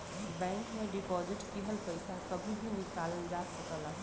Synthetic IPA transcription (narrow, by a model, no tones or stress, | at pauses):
bɛ̃ːŋkmẽɖɪpɔːzɪʈkiɦəlpɐɪsakɐbʱibʱinɪkaːləd͡ʒaːsɐkəla